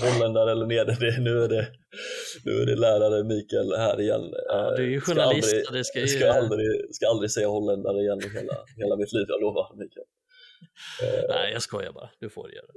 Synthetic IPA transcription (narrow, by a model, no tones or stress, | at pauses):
ɦɔlːɛnd̪aɾəɛlːəɳeːdɛɖɛnʉ̟ːæɖɛ | nʉ̟̰ːæ̰ɖɛlæːɾaɾəmiːkɛlhæːɾɪjɛ̰nːd̪æjɧʊnaaaɪsd̪ɾɪdɛsaskaald̪ɾɪskaald̪ɾɪɡsɛjːaɦɔlːɛnd̪aɾəɪjɛnːɪɦeːla̰heːlamɪt̪ʰliːvjɑ̰ːɡloːvaɾmiːkɛl | æ̰ɪjɑskɔjɑ̰bɑ̰ːd̪̥ɵfo̰ːɾɛ̰j̰ːdɛ